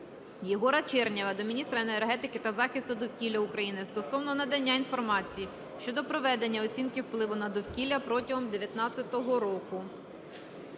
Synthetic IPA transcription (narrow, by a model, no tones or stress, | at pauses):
jɔɦɔɾɐt͡ʃɛrnʲɐʋɐd̪ɔmʲinʲist̪ɾɐeneerɦɛt̪ɪkɪt̪ɐzɑxʲɪst̪ʊd̪ɔwkʲilʲːɐukɾɐjinɪst̪ɔsɔwnɔnɐd̪ɐnʲːainfɔrmɑt͡sʲiji | ʃt͡ʃɔd̪ɔpɾɔʋɛd̪e̞nʲːɐɔt͡sʲinkɪwplˠɪʋʊnɐd̪ɔwkʲilʲːɐpɾɔtʲɐɦɔmd̪eʋʲjɐt̪nɑt͡sʲːɐt̪ɔɦɔɾɔkʊ